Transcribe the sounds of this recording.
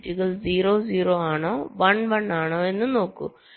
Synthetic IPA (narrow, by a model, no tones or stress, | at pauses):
tiɣɐɭziːroːziːroːaːɳoːʋɐɳʋɐɳaːɳoːe̞nːɨno̞ːkːṵ